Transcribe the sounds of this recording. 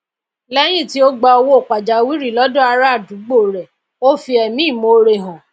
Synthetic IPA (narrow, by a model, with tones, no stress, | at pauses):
lɛ˦j̃ĩ˦˨ti˦o˦ɡ͡ba˧o˧wo˦o˦˨k͡pa˨d͡ʒa˨˦wi˦ɾi˦˨lɔ˨˦dɔ̃˦a˧ɾa˦˨du˨˦ɡ͡bo˦˨ɾɛ˨ | o˦fi˧ɛ˨mĩ˦˨mo˨ɾe˧˨ɦɔ̃˨